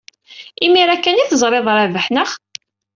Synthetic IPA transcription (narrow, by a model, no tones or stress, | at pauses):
imiɾækːæniθəzˤɾˤeðˤɾˤævəħnəχ